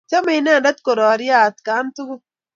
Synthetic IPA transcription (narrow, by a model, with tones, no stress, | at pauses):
ta˦mi˦˨i˦na˦˨nda˦t̪ko˨ɾɔː˨ɾi˦a˦˨t̪ka˨˦nt̪u˦ɡu˦